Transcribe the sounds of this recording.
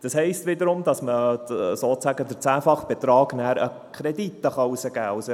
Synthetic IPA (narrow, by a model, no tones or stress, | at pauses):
d̥ɑshɛɪst̪ʋɪd̪əɾʊmdɑsməsoːt͡sæɡədəɾt͡sæːfɑχb̥ɛt̪ɾɑːɡnæːɾə | kʰɾɛd̪it̪ːəχɑusəɡ̥æːusə